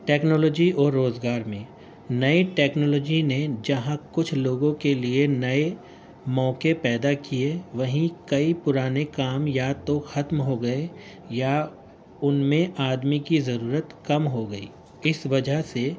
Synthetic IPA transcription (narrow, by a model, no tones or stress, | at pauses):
ʈɛːknɔːlɔːd͡ʒiɔːɾːoːzɡaːɾmẽ | nɐeʈɛːknɔːlɔːd͡ʒined͡ʒɐɦãkʊt͡ʃʰloːɡõkelienɐe | mɔːkepɛːd̪akieʋɐɦĩkɐipʊɾaːnekaːmjat̪oxɐt̪mɦoɡɐe | ja | ʊnmẽʔaːd̪mikizɐɾuːɾət̪kɐmɦoɡɐḭː | ɪsʋɐd͡ʒəɦse